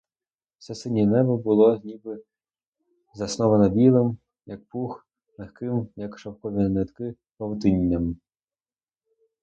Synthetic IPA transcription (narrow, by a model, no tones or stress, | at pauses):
sɛsɪnʲinɛbɐbʊlˠɔnʲibɪ | zɐsnɔʋɐnɐbʲilˠɪm | jɐk̚pux | lˠexkɪmjɐkʃɐwkɔʋʲinɛt̪kɪ | pɐwt̪ɪnʲːɐm